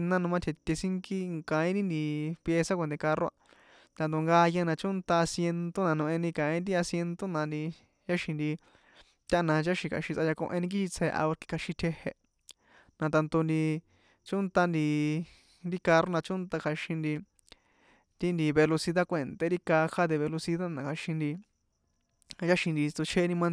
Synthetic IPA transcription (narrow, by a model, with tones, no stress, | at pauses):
nã˦nũ˧mã˦t̪ʰe˨t̪ʲe˧sĩ˦ŋki˦kã˨ĩ˦ɾi˦nd̪i˧pje˧sa˦kʷe˧˨nt̪̬e˧ka˧ro˦a̰˧ | t̪a˧nt̪̬o˧ŋɡa˧ja˧nã˧t͡ʃo˦nt̪a˧a˧sje˧nt̪o˦nã˧nõ˧ʔẽ˧nĩ˧kã˨ĩ˦d̪i˦a˧sje˧nt̪o˦nã˧nd̪i˧ | ja˦ʃĩ˧nd̪i˧ | t̪ʲa˦˧nã˧t͡ʃa˦ʃĩ˧kʰa̰˨˧ʃĩ˧t͡sa˧ja˧kõ̰˧ʔẽ˧nĩ˧k̬i˦ʃi˧t͡sʰe˧ʔa̰˧o˧ɾki̥˧kʰa˧ʃĩ˧t̪ʰe˧he˧ | nã˧t̪a˧nt̪o˧nd̪i˧ | t͡ʃo˦nt̪a˧nd̪i˧ | nɾi˦ka˧ɾo˦nã˧t͡ʃo˦nt̪a˧kʰa˧ʃĩ˧nd̪i˧ | t̪i˦nd̪i˧βe˧lo˧si˧ða˦kʷe˨nt̪e˧ɾi˦ka˧xʰa˦ðe˧βe˧lo˧si˧ða˦nã˨kʰa˧ʃĩ˧nd̪i˧ | t͡ʃa˦ʃĩ˧nd̪i˧t͡s̪o˧t͡ʃʰe˦nĩ˧mã˦˧